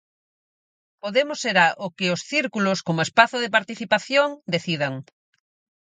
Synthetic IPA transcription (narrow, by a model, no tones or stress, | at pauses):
poðemʊseɾaʔokɪʊsθiɾkulʊskomʊespaθʊðepaɾt̪iθipaθjoŋd̪eθiðɐŋ